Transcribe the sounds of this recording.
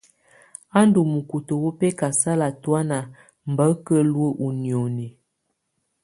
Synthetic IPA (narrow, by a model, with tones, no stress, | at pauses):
a˦n˦du˨mu˨ku˨to˨wo˦pɛ˦ka˨sa˦la˨twa˦na˨ | m̩˨bə˨˦kə˦lwə˦ʔu˨njo˨ne˨